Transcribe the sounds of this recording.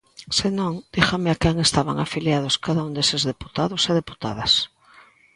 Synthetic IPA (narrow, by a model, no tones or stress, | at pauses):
senõŋd̪̥ixameakɛŋest̪aβa̰ŋafiljað̞ʊskaðaund̪esezðepu̥t̪aðʊseðepu̥t̪a̰ðɐs